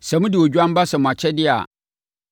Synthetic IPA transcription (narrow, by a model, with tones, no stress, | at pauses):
sɛ̃˨mʊ̃˦dɪ˨wo˨d͡ʑᶣu˦a˦m˦ba˦sɛ˨mʊ̃˨a˨t͡ɕʰɛ˦dɪ˦a̰˨